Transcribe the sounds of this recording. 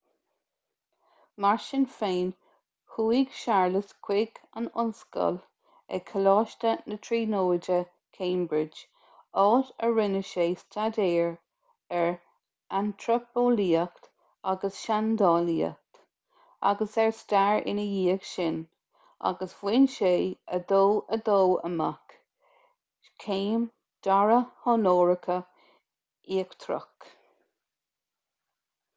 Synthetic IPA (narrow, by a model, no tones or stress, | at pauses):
maɹʃɪnfeːn | huːiɡʃaɹləskʰw̥ɪɡənʊ̰nskə̰l | ɛ̰kʰəlɑːʃtənətʰɹiːnoːd͡ʒə | kʰẽːmbɹɪd͡ʒ | ɔːtəɹɪnəʃeːstʰadeːɹ | ɛɹ | antʰɹəpoːliːəkt̪ | aɡəsʃand̪ɑːliːə̰k̚t̪ | a̰ɡəsɛɹstaɹɪ̰nəjiːəɡʃɪn | ʔa̰ɡəswwɪnʃeːəd̪oːəd̪oːə̰mak | kʰeːm | d̥aɹəhɔnoːɹəkʰə | iːəkt̪ʰɾə̰k